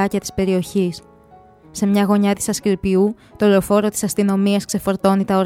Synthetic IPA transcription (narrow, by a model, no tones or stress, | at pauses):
ɐcɐt̪i̥spe̞ɾio̞çis | se̞mɲɐɣo̞ɲɐt̪i̥sɐskɾipiu | t̪o̞leofo̞ɾo̞t̪i̥sɐst̪ino̞miɐskse̞fo̞ɾt̪o̞nit̪ɐoɾ